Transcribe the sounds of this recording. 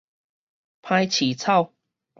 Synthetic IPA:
pʰã˧jt͡ɕʰi˨˦t͡sʰa˥˧˨w

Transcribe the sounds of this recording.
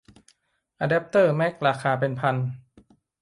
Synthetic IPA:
ʔa˧dɛ˦˥p̚t̪ɤː˥˩mɛ˦˥˩k̚ɾaː˧kʰaː˧pe˧npʰa˧n

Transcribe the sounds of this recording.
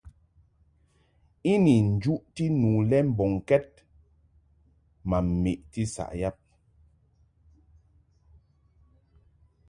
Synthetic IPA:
i˦ni˨n̩˨d͡ʒu˦ʔti˦nu˨lɛ˦m̩˨bɔ˨ŋ˨kɛ˦t̚ | ma˨m̩˨me˨ʔti˦sa̰˨ʔja˦p̚

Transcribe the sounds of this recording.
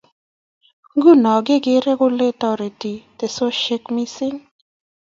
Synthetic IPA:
ŋɡu˦˨nɔ˨ɡɪ˦ɡɪ˦ɾe˦ɡʊ˦le˦t̪ɔ˦ɾi˨ti˨t̪e˨so˦ʃe˦kmi˦sɪ˦ŋ

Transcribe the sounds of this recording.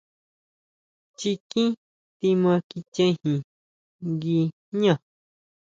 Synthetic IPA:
t͡ʃi˧kĩ˦ | t̪i˧mã˧ki˧t͡ʃẽ˦˧ĩ˦˧hĩ˨ | ŋɡi˧ | ɲã˧˨

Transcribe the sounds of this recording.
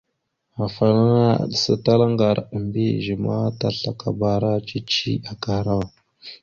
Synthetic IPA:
a˨fa˨na˦na˦a̰˨ɗə˨sa˨ta˦la˦ŋɡa˨ɾə˨mbi˦˨ʒə˨ma˦ta˦ɬa˨ka̰˨ba˨ɾa˦t͡ʃi˦t͡ʃi˦a˨ka˦hɾa˦wa˨

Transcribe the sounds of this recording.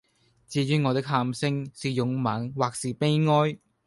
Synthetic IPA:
t͡siː˨˧jyː˨˧˥ŋɔː˨˧t̪ɪ˥k̚ɦaː˧msɪ˥ŋsiː˨jʊ˨˥ŋmaː˨˥nwaː˨k̚siː˨˩pe˥jŋɔː˥j

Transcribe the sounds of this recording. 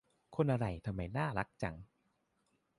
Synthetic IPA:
kʰo˧nʔa˧ɾa˧˩jt̪ʰa˧mːa˧˩jnaː˥˩ɾa˦˥k̚t͡ɕa̰˨˩ŋ

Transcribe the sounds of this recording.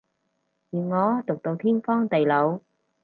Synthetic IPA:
jiː˨nŋɔː˨˧˥t̪ʊ˨k̚t̪o˧wt̪ʰiː˥nfɔː˥ŋt̪e˨jlo˨˧w

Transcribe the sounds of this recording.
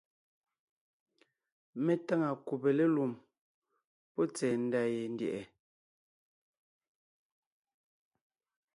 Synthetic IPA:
me˦ta˦ŋa˨ku˨pe˨le˦lu˨m | pɔ˦t͡sɛː˨n̩˦da˦je˨n̩˦djɛ̰˨ʔɛ˨

